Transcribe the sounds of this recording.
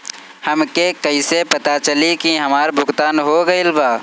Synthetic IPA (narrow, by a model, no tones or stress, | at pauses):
hɐmkekɐisepɐt̪at͡ʃɐlikiɦɐmaːɾbʱʊɡt̪aːnɦoːɡɐɪlbaː